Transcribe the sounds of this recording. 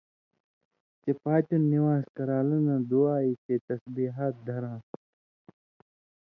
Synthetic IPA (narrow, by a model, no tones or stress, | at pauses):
t͡ʃepaːt͡ɕunːiwaːskɐɾaːlɐnãːd̪uaːiːket̪ɐsbiɦaːt̪̚d̪ʱɐɾãː